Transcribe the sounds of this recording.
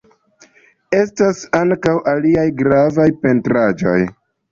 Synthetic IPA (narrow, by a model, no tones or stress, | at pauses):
e̞stasaŋkawʔaliajɡɾavajpe̞ntɾad͡ʒo̞̰j